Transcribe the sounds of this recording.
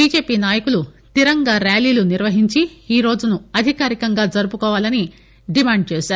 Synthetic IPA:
biːd͡ʒe̞ːpiːnaːjɐkulut̪iɾɐŋɡaːɾaːliːluniɾʋɐɦiɲt͡ʃiiːɾo̞ːd͡ʒunuɐd̪ʱikaːɾikɐŋɡaːd͡ʒɐɾupukɔːʋaːlɐni | ɖimaːɳɖ̚t͡ʃeːsaːɾu

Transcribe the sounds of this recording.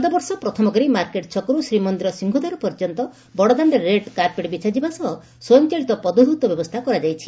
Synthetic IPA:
ɔd̪ɔbɔɾsɔpɾɔt̪ʰɔmɔɡɔɾimaɾkeʈt͡ʃʰɔkɔɾusɾimɔnd̪iɾɔsiŋɡʱud̪aɾɔpɔɾd͡ʒɔnt̪ɔ | bɔɽɔd̪aɳɖeɾeɖkaɾpeʈbit͡ʃad͡ʒibasɔɦɔ | sɔnt͡ʃaɭit̪ɔpɔd̪ud̪ʱut̪ɔbjɔbɔst̪ʰakɔɾad͡ʒajt͡ʃʰi̥

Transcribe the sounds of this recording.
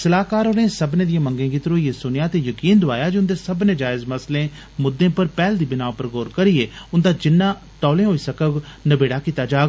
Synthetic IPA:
səlaːkaːɾonẽːsəbnẽːd̪ɪjãːməŋɡẽːɡɪt̪ɾoːieːsʊnjaːt̪eːjəkiːnd̪ʊaːjaːd͡ʒiʊnd̪eːsəbnẽːd͡ʒaːɪzməslẽː | mʊd̪ːẽːpəɾpɛːld̪iːbɪnaːpəɾɡoːɾkəɾieːʊnd̪aːd͡ʒɪnːãː | t̪ɔːlẽːɦoːiːsəkəɡnəbeːɽaːkiːt̪aːd͡ʒaːɡ

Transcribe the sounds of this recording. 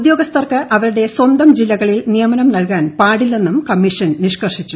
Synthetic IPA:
d̪jo̞ːɡɐst̪ʰɐrkɨʔɐʋɐɾuɽe̞swɐnd̪ɐmd͡ʑilːɐɣɐɭilnijɐmɐnɐmnɐlkaːnpaːɽilːe̞nːumkɐmːiʂɐnniʂkɐrʂit͡ɕːu

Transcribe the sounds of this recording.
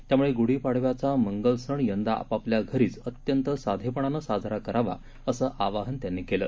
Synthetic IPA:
t̪jamuɭeɡoɽiːpaɽ̤ʋjat͡saməŋɡəlsəɳjənd̪aa̰papljaɡʱəɾiːt͡sət̪jənt̪əsad̪ʱepəɳanəsad͡zʱɾakəɾaʋa̰ | əsəːʔaʋaɦənt̪janːikelə̰ː

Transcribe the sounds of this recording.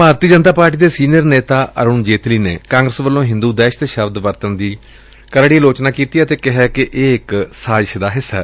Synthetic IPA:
bʱaːɾt̪iːd͡ʒənt̪aːpaːɾʈiːd̪eːsiːnijəɾneːt̪aːʔəɾuːnd͡ʒeːt̪liːnḛːkãːŋɡɾəsʋəlːõːɦɪ̃nd̪uːd̪ɛːʃt̪ʃəbd̪ʋəɾt̪ənd̪iː | kəɾɽiloːt͡ʃnaːkiːt̪iːɛːt̪eːkɪɦɛːkɪʔeːɪksaːʃd̪aːɦɪsːɛ̰ː

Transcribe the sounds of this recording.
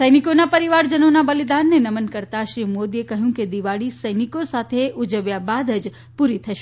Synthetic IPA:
səjnikonapəɾiʋaɾd͡ʒənonabəlid̪anːenəmənkəɾt̪aʃɾimod̪iekəɦjũked̪iʋaɭisəjnikosat̪ʰeʔud͡ʒəʋjabad̪əd͡ʒ | puɾit̪ʰəʃ

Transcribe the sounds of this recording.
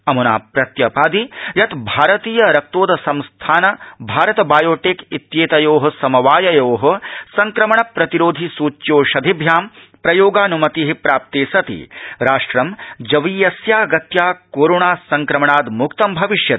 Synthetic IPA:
ɐmuna̰ːpɾɐt̪jɐpaːd̪ijɐt̪bʱaːɾɐt̪iːjɐɾɐk̚t̪oːd̪ɐsɐmst̪ʰaːnɐbʱaːɾɐt̪ɐbaːjoːʈekit̪jeːt̪ɐjoːɦɐ̆sɐmɐʋaːjɐjoːɦɐ̆sɐŋkɾɐmɐɳɐpɾɐt̪iɾoːd̪ʱisuːt͡ʃjoːʃɐd̪ʱibʱjaːm | pɾɐjoːɡaːnumɐt̪iɦipɾaːp̚t̪eːsɐt̪ḭɾaːʂʈɾɐmd͡ʒɐʋiːjɐsjaːɐɡɐt̪jaːkoːɾoːɳaːsɐŋkɾɐmɐɳaːd̪mukt̪ɐmbʱɐʋiʃjɐt̪

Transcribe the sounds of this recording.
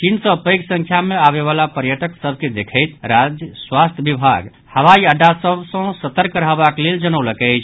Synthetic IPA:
t͡ʃinsə̃pəjksə̃ŋkʰjameaβeβalapəɾjəʈəksəbʱked̪ekʰəjt̪ɾad͡ʒjəswast̪ʰjbibʱaɡ | həʋaiəɖːasəbsə̃sət̪əɾkəɾɦabakleld͡ʒənəwləkɛɪt͡ʃʰ

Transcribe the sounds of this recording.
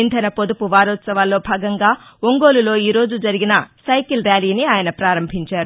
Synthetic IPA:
int̪ʰɐnɐpod̪upuʋaːɾɔːt̪sɐʋaːlːo̞ːbʱaːɡɐŋɡaːoŋɡoːlulo̞ːiːɾo̞ːd͡ʒud͡ʒɐɾiɡinɐsɐjkilɾjaːliːniaːjɐnɐpɾaːɾɐmbʱiɲt͡ʃaːɾu

